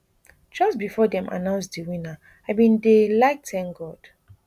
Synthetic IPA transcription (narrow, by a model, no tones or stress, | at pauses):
d͡ʒʌst̚bifɔdɛ̃ma̰nãʊ̃ns̬diwĩna | abĩndelaɪk̚tɛ̃ŋɡɔd̥